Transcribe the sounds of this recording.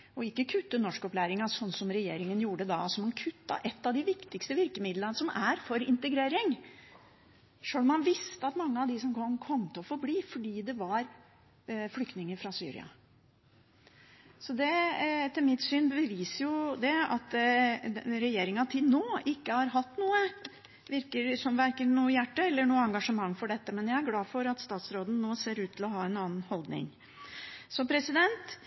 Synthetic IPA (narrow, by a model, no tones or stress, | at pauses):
ɔɪkːəkʰʉt̪ːənɔʂkɔplæːɾɪŋɑsɔnːsɔmɾɛjeːɾɪŋənjuːɖəd̪ɑsɔmːɑnkʰʉt̪ːɑ̰ʔɛt̪ːɑʋd̪ɪʋɪkt̪ɪkst̪əʋɪɾkəmɪd̪lɑnsɔmæɾfɔɾɪnt̪əɡɾeːɾɪŋ | ʂøːlɔmːɑnʋɪst̪əɑt̪mɑŋːəɑʋd̪ɪsɔmʰɔmkʰɔmːt̪ʰɛlɔfɔɾbliːfɔɖiːd̪ɛʋɑɾ | flʏkt̪nɪŋəɾfɾɑsyːɾɪ̰ɑ̰ | sɔd̪ɛt̪ʰɪlmɪt̪syːnbəəʋiːsəɾjʊd̪ɛɑ̰t̪ | ɾɛjeːɾɪŋɑt̪ʰɪnoːʔɪkːəhɑɾɦɑt̪ːnuːə | ʋɪɾkəɾsɔmʋæɾkəɾnuːəjæʈːəɛlːəɳuːəɑŋɡɑʂəmɑŋːfɔɖɛt̪ːəmɛnjæɪæɾɡlɑːfɔɾɑt̪st̪ɑːt̪sɾoːd̪ən̩noːseːɾʉːt̪ʰːɪlɔɦɑːɛnɑːn̩hɔld̪nɪ̰ŋ | sɔpʰɾɛsɪd̪ɛnt̪